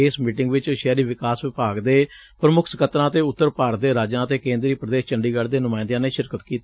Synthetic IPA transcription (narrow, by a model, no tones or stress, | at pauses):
eːsmiːʈɪŋɡʋɪt͡ʃʃɛːɾiːʋɪkaːsʋɪpaːɡd̪eː | pɾəmʊkʰsəkət̪ɾãːt̪eːʊt̪ːəɾpaːɾət̪̚d̪eːɾaːd͡ʒãːət̪eːkẽːnd̪ɾiːpɾəd̪eːst͡ʃəɳɖiːɡəɽd̪eːnʊmaːɪnd̪jãːneːʃɪɾkət̪kiːt̪ː